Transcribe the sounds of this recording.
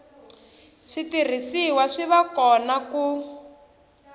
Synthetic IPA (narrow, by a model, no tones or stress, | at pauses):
ʂitir̤isiwaʂiβakɔnaku